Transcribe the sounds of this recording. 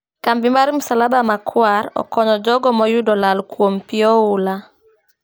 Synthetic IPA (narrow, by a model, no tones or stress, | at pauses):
kambimaɾimusalabamakʰwaɾɔ̰kɔɲɔd͡ʒɔɡɔmɔjudɔlalkwompiɔʊla